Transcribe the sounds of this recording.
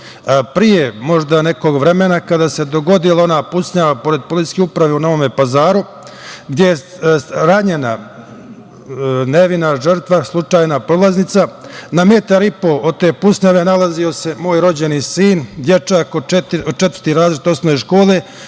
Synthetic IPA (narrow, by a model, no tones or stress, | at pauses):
pɾijemo̞ʒd̪ane̞ko̞ɡʋɾemenakad̪aːse̞d̪o̞ɡo̞d̪ilˠao̞naːpusɲaʋapo̞ɾe̞d̪̚polit̪i̥sʲkʲeupɾaʋeunoʋomepazaːɾu | ɡd̪je̞jeɾaɲena̰ | neʋinaʒərt̪ʋaslˠut͡ʂaːjnapɾolˠaznit̪sanamet̪aɾipo̞ʔot̪e̞ːpusɲaʋe̞nalazio̞se̞mo̞ːjɾo̞d͡ʑe̞nisiːnd̪je̞t͡ʃaːkot̪ot͡ʃet̪əɾt̪iɾaːzlit̪o̞snoʋeʃko̞ːle̞